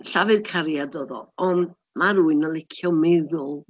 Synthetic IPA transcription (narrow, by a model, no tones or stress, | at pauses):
ɬavɨrkʰaɾjadɔːðɔ̰ɔnd | maɾuːɨnəlˠɪkʰjɔmɛðʊlˠ